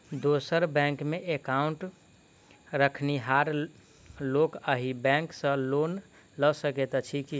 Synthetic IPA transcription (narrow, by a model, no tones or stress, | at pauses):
d̪osəɾbɛ̃ŋkmeʔekauɳʈ | ɾəkʰniɦaɾ | lokəɦibɛ̃ŋksə̃lon | ləsəkɛt̪t͡ʃʰiki